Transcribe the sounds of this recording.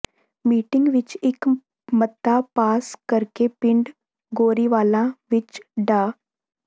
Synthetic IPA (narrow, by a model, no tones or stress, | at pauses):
miːʈɪ̃ŋɡʋɪt͡ʃɪk | mət̪ːapaːskəɾkepɪ̃ɳɖ | ɡoːɾiʋaːlãːʋɪt͡ʃɖaː